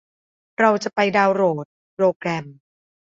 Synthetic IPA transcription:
ɾa˧wt͡ɕa˨˩pa˧jdaː˧wɾoː˨˩t̪̚ | pɾoː˧kɾɛ˧m

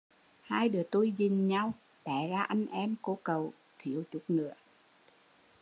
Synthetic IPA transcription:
haː˧jɗɨ˨˩ət̪u˧jzi˨˩ŋɲa˧w | ɗ̪ɛ˧˩zaː˧ʔa˧jŋ̟ʔɛ˧mko˧˦kə˨˩w | t̪ʰi˧˩˨əwt͡ɕʊ˨˦˥k͡p̚nɨ̰˧˥ə

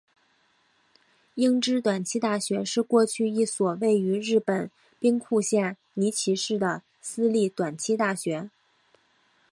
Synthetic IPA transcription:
i˥ŋʈ͡ʂɻ̩˥t̪wa˨˩nt͡ɕʰi˥t̪a˥˩ɕɥɛ˧˥ʂɻ̩˥˧kwɔ˥˧t͡ɕʰy˥˧i˥˩swɔ˨˩we˥˩ɪy˧˥ɻɻ̩˥˩pə˨˩n | pi˥ŋkʰu˥˧ɕjɛ˥˩ | ni˧˥t͡ɕʰi˧˥ʂɻ̩˥˩d̪ə˩ | sɹ̩˥li˥˩t̪wa˨˩nt͡ɕʰi˥t̪a˥˩ɕɥɛ˧˥

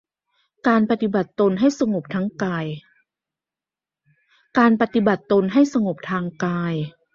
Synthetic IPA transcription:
kaː˧npa˧t̪i˧ba˨˩t̪ːo˧nɦa˥˩jsa˧ŋo˨˩p̚t̪ʰa˦˥ŋkaː˧j | kaː˧npa˧t̪i˧˦ba˨˩t̪ːo˧nɦa˥˩jsa˧ŋo˨˩p̚t̪ʰaː˧ŋkaː˧j

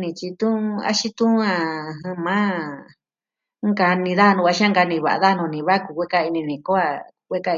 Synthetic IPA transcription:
nĩ˧˨t͡ʃi˧t̪ũ˦a̰˦ʃi˦t̪ũ˦ã˧˨ɦã˧mã˦ | ŋka˧nĩ˧ða˦˧nũ˧a˧ʃi˦ã˦ŋɡa˧nĩ˧βa̰˨ʔa̰˧ða˦˧nũ˧nĩ˨βa˦ku˧kʷe˦ka˧i˧nĩ˧nĩ˨ko˦a˧˨˧ | kʷe˦ka˧

